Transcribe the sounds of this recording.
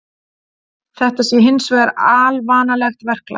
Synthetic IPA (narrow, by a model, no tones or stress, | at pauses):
θɛht̪asjɛɦɪnsvɛɾaːlvaːnalɛxt̪vɛr̥kla̰